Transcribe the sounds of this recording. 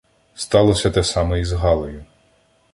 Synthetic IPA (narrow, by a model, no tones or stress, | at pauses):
st̪ɑlˠɔsʲɐt̪ɛsɑmɛizɦɑlˠɔjʊ